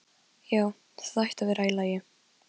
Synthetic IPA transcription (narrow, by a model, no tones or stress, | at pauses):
jaːw | θaðajht̪avɪɾaːjlajɪ